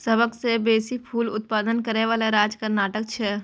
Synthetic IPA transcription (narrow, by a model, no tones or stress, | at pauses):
sɐbəksebeːsipʰuːlʊt̪̚paːd̪ənkɐɾeʋaːlaɾaːd͡ʒkɐɾnaːʈək̚t͡ʃʰɛ